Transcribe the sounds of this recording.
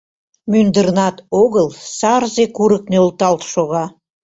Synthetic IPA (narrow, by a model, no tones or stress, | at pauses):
mynd̪ərnɑt̪oɣəlˠsɑrzekuɾə̆k̚neolˠt̪ɑlt̪ʃoɣɑ